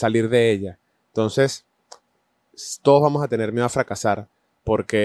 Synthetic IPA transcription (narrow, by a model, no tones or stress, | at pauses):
saliɾðe̞e̞ʎa | ent̪o̞nse̞s | t̪o̞ðozβamo̞sat̪e̞ne̞ɾmjeoafɾakasaɾ | po̞ɾke̞